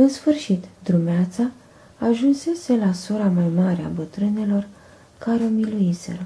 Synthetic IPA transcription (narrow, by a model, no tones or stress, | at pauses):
ɨnsfɨrʃit̪d̪ɾumeat̪saː | ʒunse̞se̞lasoɾamajmaɾea̰bət̪ɾɨne̞lo̞r | kaɾomiluise̞̰ɾo